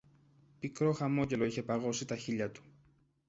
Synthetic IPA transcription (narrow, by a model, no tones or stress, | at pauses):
pikɾo̞xɐmo̞ɟe̞lo̞içe̞pɐɣo̞sit̪ɐçiʎɐt̪u̥